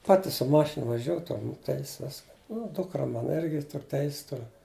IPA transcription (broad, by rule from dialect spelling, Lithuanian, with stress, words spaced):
ˈpɑːtʲɪ sʊ ˈmɑːʃʲɪnɐ ʋɐˈʒʲuː ˈtɐm ˈtʲɛɪs ˈʋʲɪs ˈnʊ ˈdʊkrɐ ˈmɑːnɐ ˈɪrʲɡʲɪ ˈtʊr ˈtʲɛɪsʲɪs ˈtʊr